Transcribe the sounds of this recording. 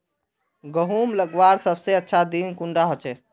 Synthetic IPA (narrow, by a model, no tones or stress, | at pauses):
ɡəɦumləɡʋaɾsəbseətːʃʰad̪inkuɳɖaɦot͡ʃʰɛ